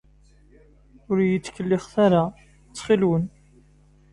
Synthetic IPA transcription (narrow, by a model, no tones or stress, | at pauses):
ʊɾjət͡sːkːəlːɪχθaɾa | t͡sːχilwən